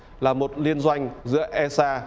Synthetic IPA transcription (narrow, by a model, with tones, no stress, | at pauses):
laː˨˩mo˨˩t̚li˧ənzwa˧jŋ̟zɨ̰˧˥əʔɛ˧saː˧